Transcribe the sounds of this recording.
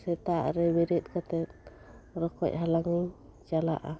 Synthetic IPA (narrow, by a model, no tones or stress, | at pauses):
sɛt̪aʔɾɛbɛɾit̪̚ˀkat̪ɛt̪̚ | ɾɔkɔ̰c̚ˀɦalaŋi | t͡ʃala̰ʔa̰